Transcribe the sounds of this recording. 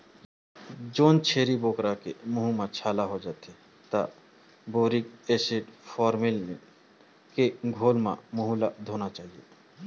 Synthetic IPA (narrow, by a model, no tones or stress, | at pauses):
d͡ʒoːnt͡ʃʰeːɾiboːkɾakemʊɦumãt͡ʃʰaːlaɦod͡ʒaːt̪e | t̪a̰ | boːɾikeːseɖpʰɔːɾmɪl | keɡʱoːlmã̰mʊɦulad̪ʱoːnat͡ʃaːɦie